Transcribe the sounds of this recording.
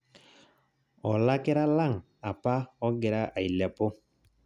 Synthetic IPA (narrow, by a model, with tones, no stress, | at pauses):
ɔ˨la˦kɛ˦ɾa˦la˦˨ŋ | a˨pa˦ɔ˦ɡɛ˨ɾa˦ʔa˨i˨lɛ˨po˦